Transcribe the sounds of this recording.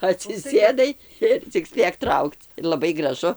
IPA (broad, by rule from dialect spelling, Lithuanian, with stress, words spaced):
ɐtʲsʲɪˈsʲeːdɐɪ ˈɪr t͡sʲɪk ˈsʲpʲeːk ˈtrɐʊkt͡s lˠɐˈbɐɪ ɡrɐˈʒʊ